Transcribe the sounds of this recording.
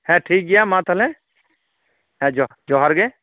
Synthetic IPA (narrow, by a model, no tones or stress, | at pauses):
hɛ̃ʈʰiːk̚ɡɛjamãt̪ʰəlɛ | hɛ̃d͡ʒɔd͡ʒɔɦaɾɡɛ